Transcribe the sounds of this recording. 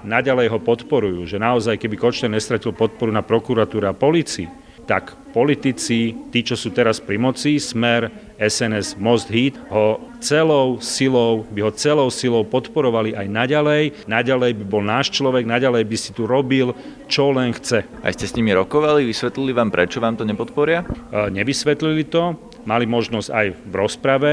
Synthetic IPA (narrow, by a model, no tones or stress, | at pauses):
naɟalɛjɦɔpɔt̪pɔɾujuːʒɛnaɔzajkɛbikɔt͡ʃt̪ɛɾɲɛst̪ɾacilpɔt̪̚pɔɾunapɾɔkuɾat̪uːɾɛapɔlit͡siḭ | t̪ak | pɔlit̪it͡sit̪iːt͡ʃɔsuːt̪ɛɾaspɾimɔt͡sismɛɾ | ɛsɛnɛzmɔzd̪ɦiːt̪ɦɔt͡sɛlɔʊsilɔʊbiɦɔt͡sɛlɔʊsilɔʊpɔt̪pɔɾɔʋaliʔajnaɟalɛjnaɟalɛjbibɔlnaːʃt͡ʃlɔʋɛɡnaɟalɛjbiscit̪uɾɔbil | t͡ʃɔlɛnxt͡sɛ | a̰jscɛsɲimiɾɔkɔʋaliʋisʋɛt̪liliʋaːmpɾɛt͡ʃɔʋaːmt̪ɔɲɛpɔt̪pɔɾɪaɲɛʋisʋɛt̪lilit̪ɔ | malimɔʒnɔzɟa̰jʋɾɔspɾaʋɛ